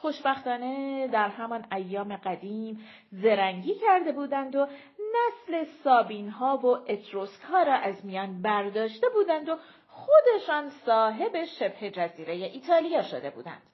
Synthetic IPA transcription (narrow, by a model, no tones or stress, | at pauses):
xo̞ʃbæxt̪ɒːne̞d̪æɾɦæmɒnæjːɒːme̞ɡæd̪iːm | ze̞ɾæŋɟiːcʰæɾd̪e̞buːd̪ænd̪o | næsle̞sɒːbiːnɦɒːvo̞ʔe̞t̪ʰɾoskhɒːɾɒːʔæzmijɒːnbæɾd̪ɒːʃt̪e̞buːd̪ænd̪o̞ | xod̪e̞ʃɒːnsɒːɦe̞be̞ʃe̞bhe̞d͡ʒæziːɾe̞je̞ʔiːt̪ʰɒːlijɒːʃod̪e̞bṵːd̪æ̰nd̪̥